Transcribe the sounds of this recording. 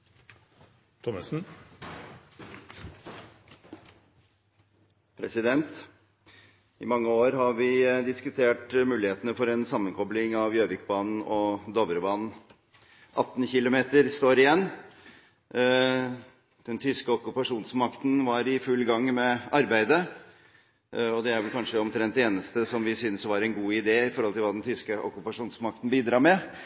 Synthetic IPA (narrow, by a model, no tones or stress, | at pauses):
t̪ʰɔməsn̩ | pʰɾɛsɪd̪ɛnt̪ | ɪmɑŋːəoːɾɦɑɾʋɪd̪ɪskʉt̪ʰeːʈmʉːlɪheːt̪ənəfɔɾɛnsɑmːənkʰɔblɪŋɑʋjøːʋɪkbɑːnn̩ɔd̪ɔʋəɾəbɑːnn̩ | ʔɑt̪ːnçɪlʊmeːt̪əɾst̪oːɾɪjɛnː | d̪̥ɛnt̪ʰʏskəɔkʉpɑʂuːnsmɑkt̪n̩ʋɑɾɪfʉlːɡɑŋːmɛɑɾbæɪd̪ə | ɔd̪ɛæɾʋɛlkʰɑnʂəɔmt̪ʰɾɛnt̪ːeːnəst̪əsɔmʋɪsʏnsɔʋɑːɾɛɪnɡuːɪd̪eːɪfɔɾhɔlt̪ʰɪlʋɑːd̪ɛnt̪ʰʏskəʔɔ̰kʉpɑʂuːnsmɑk̚t̪n̩biːd̪ɾɑːɾmɛ